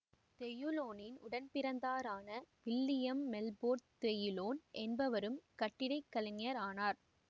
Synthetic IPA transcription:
t̪ɛjɯloːnɪnʊɽɐnpɪɾɐnd̪aːɾaːnɐʋɪlːɪjɐmːɛlboːɾt̪ɛjɯloːnʔɛnbɐʋɐɾɯmkɐʈːɪɽɐɪkːɐlɐŋɐɾaːnaːɾ

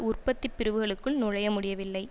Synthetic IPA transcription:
ʊrpɐt̪ːɪpːɪɾɯʋɯɣɐɭɯkːɯɭnʊɻɐjɐmʊɽɪjɐʋɪlːɐɪ

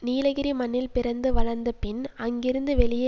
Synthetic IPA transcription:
niːlɐɣɪɾimɐnːɪlpɪɾɐnd̪ɯʋɐɭɐɾnd̪ɐpɪnɐŋɡɪɾɯnd̪ɯʋɛɭɪjɐ

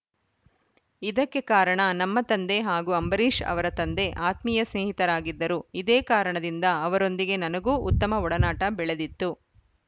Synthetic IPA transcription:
id̪ɐkːe̞kaːɾɐɳɐnɐmːɐt̪ɐnd̪e̞ɦaːɡuɐmbɐɾiːʂɐ̰ʋɐɾɐt̪ɐnd̪e̞ʔaːt̪miːjɐsneːɦit̪ɐɾaːɡid̪ːɐɾuid̪eːkaːɾɐɳɐd̪ind̪ɐːʋɐɾo̞nd̪iɡe̞nɐnɐɡuːʔṵt̪ːɐmɐɔɽɐnaːʈɐbɛɭed̪it̪ːu

